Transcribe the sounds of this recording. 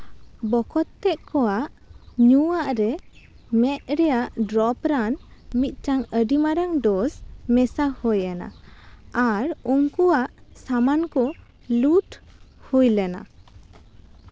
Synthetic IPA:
bɔkɔt̪ːɛʔ̚kɔwaʔ | ɲuaʔɾɛ | mɛʔ̪̚ɾɛjaʔɖɾɔpɾanmit̪̚ˀt͡ʃaŋəɖimaɾaŋɖɔsmɛsahɔjana̰aɾuŋkuwaʔsamankɔ | luʈhujlɛna̰

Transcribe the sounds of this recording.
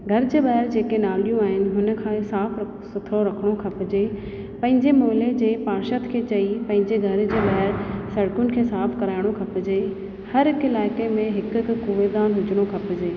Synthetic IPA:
ɡʱɐɾd͡ʑeːɓaɦɪɾd͡ʑeːkenaːlijũaːɦɪnɪ̆ɦʊnə̆kʰãːsaːf | sʊt̪ʰɾoɾɐkʰəɽ̃okʰɐpɪd͡ʑeː | pɐ̃ɦɪ̃ɲd͡ʑemoːɦɪled͡ʑeːpaːɾʃət̪kʰeːt͡ɕɐipɐ̃ɦɪ̃ɲd͡ʑeɡʱɐɾd͡ʑeːɓaɦɪɾsɐɽkʊnɪ̆kʰeːsaːfkɐɾaːɪɽ̃okʰɐpɪd͡ʑeː | hɐɾɦɪkɪlaːɪkemẽɦɪkkuːʋed̪aːnɦʊd͡ʑʱɪɽ̃okʰɐpɪd͡ʑeː

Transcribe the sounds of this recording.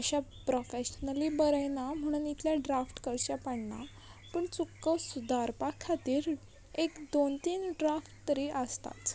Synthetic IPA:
əɕapɾofeɕnəlibəɾəjnam̤əɽ̃uːnit̪ʰljaɖɾafʈkəɾt͡ɕjapaɳna̰ | pəɳt͡sukːəsud̪ʱaɾpakʰat̪iːɾ | ekd̪ont̪iːnɖɾafʈt̪əɾiʔəst̪a̰t͡s

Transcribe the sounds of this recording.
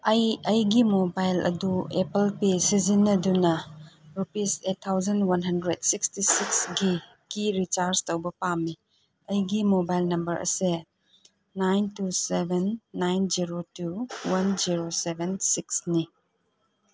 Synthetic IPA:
ɐjɐjɡimobajlɐ̰duepelpesizinɐdunɐɾupisetʰːawzɐnwɐnɦɐndɾedsikstisiksɡi | kiɾit͡ʃaɾstowbɐpami | ɐjɡimobajlnɐmbɐɾɐ̰se | najntusebenːajnd͡ʒiɾotuwɐnd͡ʒiɾosebʱensiksni

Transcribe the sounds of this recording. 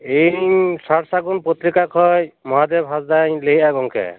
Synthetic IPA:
esaɽsaɡunpot̪ɾikakʰɔjmɔɦad̪ebɦasd̪ajlejaɡɔŋkʰɛ̰

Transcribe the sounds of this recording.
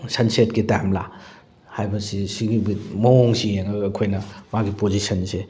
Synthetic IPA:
sɐnsetkitamla | hajbɐsisiɡibimɐoŋsijeŋɐɡɐkʰojnɐmaɡipozisɐnse

